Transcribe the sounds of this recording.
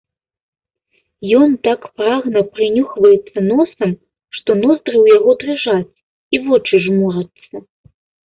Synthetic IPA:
jɔnt̪akpɾaɣnɐpɾɨnʲuxvɐjɛt̪sːɐnɔsɐm | ʂt̪ɔnɔzd̪rɨwjaɣɔd̪rɨʐat͡sʲ | ivɔt͡ʂɨʐmuɾɐt̪sːɐ

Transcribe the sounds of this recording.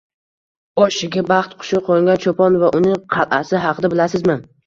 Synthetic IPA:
ɒʃɪɡʲabɑχt̪qʰʊ̥ʃɪqʰoŋɡʲant͡ʃʰopɒnvaʔʊnɪŋqʰɑlˠʔasɪɦɑqʰɨd̪abɪlasɪzmɪn

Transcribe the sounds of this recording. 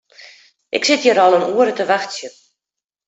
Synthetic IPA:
ʔɪ̰ksɪtjəɾɔlˠənuəɾətəʋaxtsjə

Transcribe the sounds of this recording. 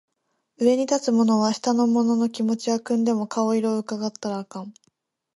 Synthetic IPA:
ɯ̟e̞ɲ̟it̪at͡sɨmo̞no̞β̞aɕi̥t̪ano̞mo̞no̞no̞kʲimo̞t͡ɕiakɯ̟̃nd̪e̞mo̞kao̞iɾo̞ɯ̟kaɡat̪ːaɾaːkãɴ̃

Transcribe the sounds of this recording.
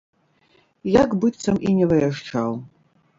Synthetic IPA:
jakbɨt̪sɐminʲɛvɐjɐʂʈ͡ʂaw

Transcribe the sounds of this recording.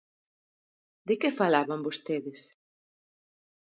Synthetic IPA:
d̪ɪkefalaβambost̪eðɪs

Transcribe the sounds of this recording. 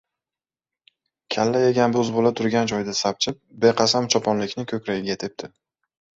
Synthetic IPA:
kʲʰalːajeɡʲanbɵzbolat̪ʰʊɾɡʲand͡ʒɒjd̪asap̚t͡ʃʰɪp̚beqʰɑsamt͡ʃʰɒpʰɒnlɪkʲnɪkʲʰɵkʲɾaɡʲɪɡʲat̪ʰɪp̚d̪̥ʰɪ

